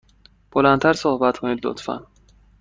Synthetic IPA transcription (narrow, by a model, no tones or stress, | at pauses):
b̥olænt̪ʰæɾsohbæt̪kʰoniːd̪lo̰t̪fæ̰n